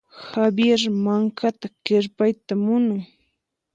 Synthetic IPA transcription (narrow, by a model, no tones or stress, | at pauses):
habjeɾmaŋkʰat̪akɪɾpajt̪amʊnʊŋ